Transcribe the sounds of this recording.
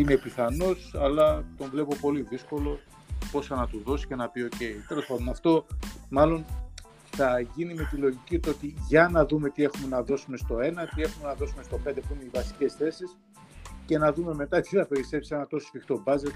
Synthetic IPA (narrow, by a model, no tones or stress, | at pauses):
ine̞piθɐno̞sɐlɐt̪o̞ɱvle̞po̞po̞liðisko̞lo̞ | po̞sɐnɐt̪uðo̞si̥ce̞nɐpio̞ce̞it̪elosfɐðunɐft̪o̞mɐlo̞n | θɐʝinime̞t̪ilo̞ʝicit̪ot̪iʝɐnɐðume̞t̪ie̞xume̞nɐðo̞sume̞st̪o̞e̞nɐt̪ie̞xume̞nɐðo̞sume̞st̪o̞pe̞nd̪e̞puineivɐsi̥ce̞sθe̞sis | ce̞nɐðume̞me̞t̪ɐt̪iθɐpe̞ɾise̞psi̥senɐt̪o̞sofikt̪o̞bɐzet̪